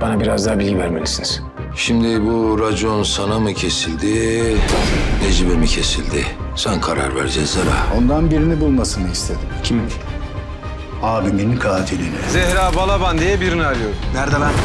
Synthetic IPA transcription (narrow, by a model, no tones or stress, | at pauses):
b̥anabiɾazd̪aːbilʲɡɟivæɾmelʲisiniz̥ | ʃimd̪ibuɾad͡ʒjo̞nsanamɯcʰe̞silʲd̪i | ned͡ʒibemicʰe̞silʲd̪ɪsankʰaɾa̰ɾvæ̰ɾd͡ʒɛzaɾa̰ːo̞nd̪anbiɾinibulˠmasɯnɯist̪ʰed̪imcʰimb | aːbiminkʰaːt̪ʰilʲinɛzɛhɾaːbalˠaband̪ijɛbiɾiniaɾɯjo̞ɾnæɾd̪ala